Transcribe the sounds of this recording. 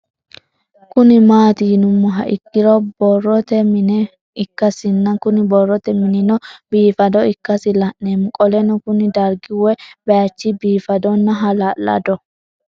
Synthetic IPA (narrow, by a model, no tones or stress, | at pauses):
kʊnɪmaːt̪iːnʊmːɔɦɐ̰ʔɪkːɪɾɔbɔrːɔt̪ɛmɪnɛ | ɪkːɐsɪnːɐnkʊnɪbɔrːɔt̪ɛmɪnɪnɔb̥iːfɐd̪ɔɪkːɐsɪlɐʔnemʊkʼɔlɛnɔkʊnɪd̪ɐɾɡɪwɛbɛjat͡ʃːibiːfɐd̪ɔnːɐɦɐlalːɐ̰d̪ɔ